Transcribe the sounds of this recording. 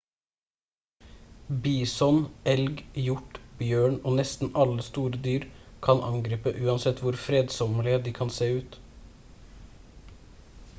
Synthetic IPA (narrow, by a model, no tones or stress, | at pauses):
biːsɔnʔɛlɡjʊʈbjøːɳoːnɛst̪n̩ɑləst̪uːɾəd̪yːɾkʰɑnʔɑŋɡɾiːpəʔʉːɑnsɛt̪ʰʋʊɾfɾeːd̪sɔməlɪəd̪iːkʰɑnseːʉːt̪